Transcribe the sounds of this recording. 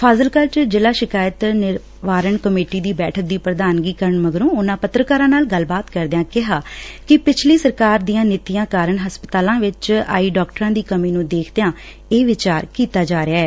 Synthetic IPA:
pʰaːzəlkəlt͡ʃd͡ʒɪlaːʃɪkaːjət̪nɪɾ | ʋaːɾəɳkəmeːʈiːd̪iːbɛːʈʰək̚d̪iːpɾəd̪aːnɡiːkəɾəɳməɡɾõːʊnãːpət̪ːɾəkaːɾãːnaːlɡəlbaːt̪kəɾd̪ejãːkɪɦaːkɪpɪt͡ʃʰliːsəɾkaːɾd̪iːãːnɪt̪ːijãːkaːɾəɳɦəspət̪aːlãːʋɪt͡ʃa̰ːiːɖɔːkʈəɾãːd̪iːkəmiːnũːd̪eːkʰd̪ejãː | eːʋɪt͡ʃaːɾkiːt̪aːd͡ʒaːɾɪaːɛː

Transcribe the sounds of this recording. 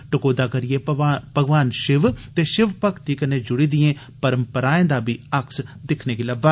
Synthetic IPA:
ʈʊkoːd̪aːkəɾijebʱəɡʋaːnʃɪʋt̪eːʃɪʋpəkt̪ikənẽːd͡ʒʊɽiːd̪ɪjẽː | pəɾəmpəɾaːẽːd̪aːbʱiːəksd̪ɪkʰneːkiləba

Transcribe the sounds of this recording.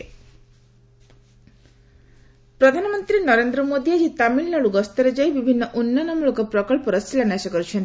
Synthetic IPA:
pɾɔd̪ʱanɔmɔnt̪ɾinɔɾend̪ɾɔmod̪iad͡ʒit̪amiɭnɔɽuɡɔst̪ɔɾed͡ʒajbibʱinːɔʔunːanɔmuɭokɔpɾɔkɔɭpɔɾɔst̪ʰilanasɔkɔɾut͡ʃʰɔnt̪

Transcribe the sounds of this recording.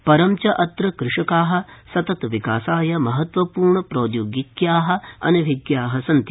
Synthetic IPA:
pɐɾɐmt͡ʃɐʔɐt̪ɾɐkɾɪʂɐkaːɦɐ̆sɐt̪ɐt̪ʋikaːsaːjɐmɐɦɐt̪ʋɐpuːɾɳɐpɾoːd̪joːɡikjaːɦɐ̆ɐ̰nɐʋʱiɡjaːɦɐsɐnt̪

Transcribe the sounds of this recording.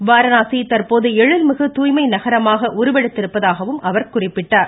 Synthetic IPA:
ʋaːɾɐnaːsit̪ɐɾpoːðɯɛɻɯlmɯɣɯt̪uːjmɐɪnɐɣɐɾɐmaːɣɐʔʊɾɯʋɛɽɯt̪ːɪɾɯpːɐðaːɣɐʋɯmʔɐʋɐɾkʊrɪpːɪʈːaːɾ

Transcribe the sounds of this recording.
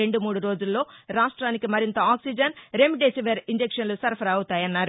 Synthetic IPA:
e̞ɳɖumuːɽuɾo̞ːd͡ʒulːo̞ːɾaːʂʈɾaːnikimɐɾint̪ɐaːksid͡ʒɐnɾemiɖeːsiʋeɾiɲd͡ʒekʂɐnlusɐɾpʰɐɾɐwut̪aːjɐnːaːɾ

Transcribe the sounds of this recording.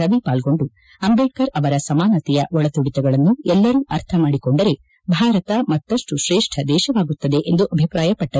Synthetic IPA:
ɐʋipaːlɡo̞ɳɖu | ɐmbeɖkɐɾɐʋɐɾɐsɐmaːnɐt̪ɛjɐʔɔɭɐt̪uɽit̪ɛɡɐɭɐnːuɛlːɐɾuːʔɐɾt̪ʰɐmaːɽiko̞ɳɖɐɾe̞ | bʱaːɾɐt̪ɐmɐt̪ːɐʂʈuʃɾɛːʂʈʰɐd̪ɛːʃɐʋaːɡut̪ːɐd̪e̞ʔend̪uʔɐbʱipɾaːjɐpɐʈːɐ

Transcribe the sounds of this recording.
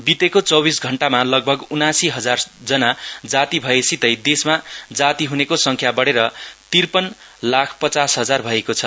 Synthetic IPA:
bit̪ekot͡sʌwbisɡʱʌɳʈamalʌɡ̚bʱʌɡunasiɦʌd͡zard͡zʌnad͡zat̪ibʱʌesit̪ʌjd̪esmad͡zat̪iɦunekosʌŋkʰjabʌɽeɾʌt̪irpʌnlakʰpʌt͡sasɦʌd͡zarbʱʌekot͡sʰʌ

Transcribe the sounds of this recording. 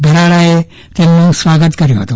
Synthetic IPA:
bʱeɾaɭae | t̪emnũsʋaːɡət̪kəɾjõɦət̪õ

